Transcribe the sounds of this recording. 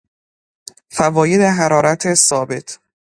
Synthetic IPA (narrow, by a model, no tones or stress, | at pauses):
fævɒːjed̪eɦæɾɒːɾæt̪ʰesɒːbe̞t̪ʰ